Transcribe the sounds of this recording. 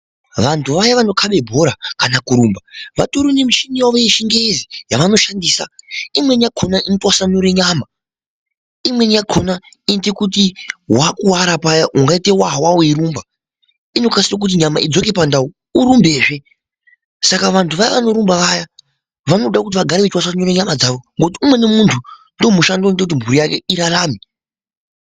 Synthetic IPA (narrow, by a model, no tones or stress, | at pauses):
ʋantʰuʋajaʋano̞kʰaɓe̞bʱo̞ɾakanakuɾumbaʋa̰toɾunemit͡ʃiniwaʋojeʃiŋɡezijaʋano̞ʃandiːsa̰imwe̞njaɡʰʱonaʔinotwasanoɾeɲama | imwe̞njaɡʰʱona | intekutiwakuwaɾapajaʔuŋɡaitewaɦwaoiɾumba | ino̞kasirak̬ut̬iɲamaid͡zoke̞pandauː | ɾumbeːʐe̞ | sakaʋantʰuʋajiʋano̞ɾumbaʋaja | ʋano̞ɗakut̬iʋaɡʱaɾeʋetwasanoreɲamad͡zaʋo̞ŋɡot̬iumwe̞ne̞muntʰundo̞muʃandontek̬ut̬imbʱuɾijakeiɾalaːmi